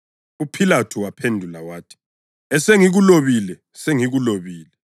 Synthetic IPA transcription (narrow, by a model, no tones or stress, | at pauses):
upʰilatʰuwapʰendʱulawaːtʰi̥ | ɛseŋiɣuloβilɛ | seŋiɣuloβiːlɛ